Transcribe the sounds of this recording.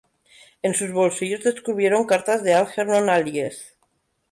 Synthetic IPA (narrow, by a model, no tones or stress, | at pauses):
ensuzβolsiʎozðeskuβ̞je̞ɾoŋkaɾt̪azðealxeɾnonalies